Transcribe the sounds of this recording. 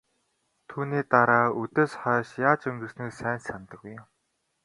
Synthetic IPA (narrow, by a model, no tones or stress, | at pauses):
t̪ʰuːniːt̪aɾaːɵt̪eːsχœːʃjaːt͡ɕɵŋɡɵ̆snĭksæːnsant̪ə̆kɡujm